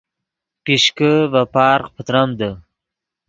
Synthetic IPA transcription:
piʃkəvapɑːɾqpʰət̪ɾamd̪ə

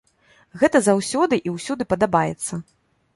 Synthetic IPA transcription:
ɣɛt̪ɐzawsʲɔd̪ɨʔiwsʲud̪ɨpɐd̪abajɛ̰t̪sːɐ

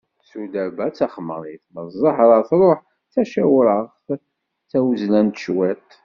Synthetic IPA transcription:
t͡sːud̪æbæt͡sːæχmə̰ɾˤiθməzˤːəħɾˤəθɾˤoħ | t͡sːæʃæwɾəʁ | θæwəzlænt̪ʃwæt̪

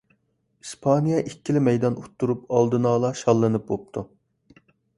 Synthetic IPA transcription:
ispʰɑnijɑʔikʲːilɪmɛjd̪ɑnot̪ʰːuɾup̚ɑlˠd̪ɨnɑːlˠɑʃɑlˠːɨnɨp̚bop̚t̪ʰu

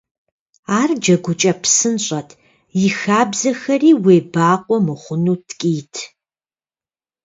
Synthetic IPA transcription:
aːrd͡ʒɐɡʷʊt͡ʃʼɐpʰsɨnɕʼɐtʰ | jɪxaːbzɐxɐriːweːbaːqʷʼɔmɨχʷʊnuːtʰkʼiːtʰ

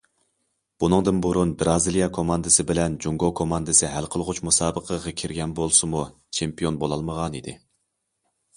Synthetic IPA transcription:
b̥unɨŋd̪ɨnbuɾunbɾɑzilˠijɑkʰomɑnd̪ɨsɨbɪlɛnd͡ʒuŋɡokʰomɑnd̪ɨsɪɦælqʰəlˠʁʊt͡ʃmusɑːbəqʰəʁɑkʲʰiɾɡʲɛnbolˠsɨmu | t͡ʃʰempijonbolˠɑlˠməʁɑnid̪ɪ̰

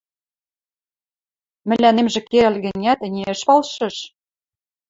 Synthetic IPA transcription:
mɘ̆lʲænemʒĕkeɾælʲɣɘ̆nʲæt̪ɘ̆nʲeə̆ʃpɑlʃɤ̆ʃ

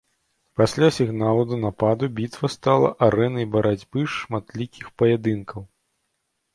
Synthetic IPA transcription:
pasʲlʲasʲiɣnalˠɐd̪ɐnapad̪ubʲit̪vɐst̪alˠɐ̰ʔaɾɛnɐjbɐɾad͡zʲbɨʂmat̪lʲikʲixpɐjɛd̪ɨnkɐw

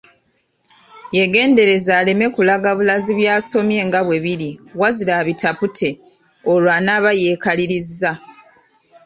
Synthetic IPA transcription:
je̞ɡe̞ːnde̞ɾe̞zaːle̞me̞kulaɡaβulaziβjaːso̞mje̞ːŋɡaβwe̞βiɾiwazilaːβitʰaputʰe̞ | olwaːnaːβaje̞ːkaliɾizːa

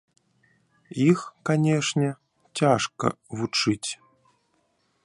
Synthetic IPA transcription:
ixkanʲeʂnʲɛ | tʲaʂkɐ̰vut͡ʂɨtʲ

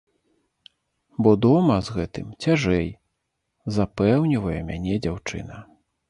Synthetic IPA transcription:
bɔd̪ɔmɐzɣɛt̪ɨmt͡sʲaʐɛj | zapɛwnʲivɐjɛmʲanʲɛd͡zʲawt͡ʂɨ̰nɐ

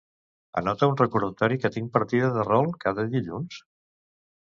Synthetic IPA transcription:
ə̰nɔt̪əunrəkuɾðət̪ɔɾikət̪iŋ̚pəɾt̪iðəðərɔlˠkaðəðiʎuns

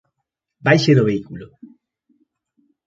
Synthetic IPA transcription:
bajʃeðoβeikulo

